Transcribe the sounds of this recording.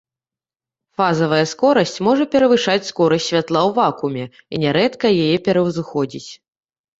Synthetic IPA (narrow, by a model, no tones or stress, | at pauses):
fazɐvɐjɐskɔɾɐsʲt͡sʲmɔʐɐpʲɛɾɐvɨʂat͡sʲskɔɾɐsʲtʲsʲvʲat̪lˠawvakumʲɛ | ḭnʲɛɾɛt̪kɐjajɛpʲɛɾɐwzɨxɔd͡zʲit͡sʲ